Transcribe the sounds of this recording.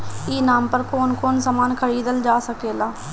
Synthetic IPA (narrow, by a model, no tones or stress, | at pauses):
iːnaːmpəɾkoːnkoːnsəmaːnkʰəɾiːd̪əld͡ʒaːsəkeːlaː